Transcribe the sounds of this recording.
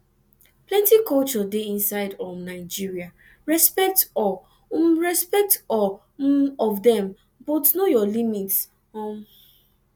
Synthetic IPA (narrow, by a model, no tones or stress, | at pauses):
plɛ̃ntikɔlt͡ʃɔdeĩnsaɪdɔmnaɪd͡ʒiɹia | ɹɛspɛk̚tɔ | mɹɛspɛk̚tɔ | ɔvdɛ̃m | bɔtnojɔlimits | ɔ̃n